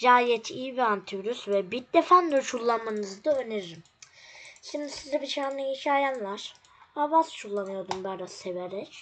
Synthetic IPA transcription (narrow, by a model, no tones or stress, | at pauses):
d͡ʒaːjɛt̪ʰiːbiant̪ʰiɾysvɛbid̪efand̪ot͡ʃʰulˠːanmanɯzd̪aøneɾɾim | ʃimd̪isizabiʃaːnˠɯiʃajanlˠaɾ̥ | abast͡ʃʰulˠːanɯjo̞d̪umbaɾaseveɾɛɾ